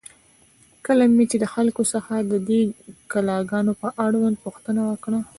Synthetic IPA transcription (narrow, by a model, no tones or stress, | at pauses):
kəlamet͡ʃed̪əxalkosəxad̪əd̪ekalɑɡɑnopəʔaɽwand̪̚puxt̪ənawəkɽa